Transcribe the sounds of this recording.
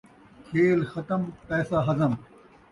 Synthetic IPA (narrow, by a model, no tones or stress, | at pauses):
kʰeːlxɐt̪əmpɛːsaɦɐzɐm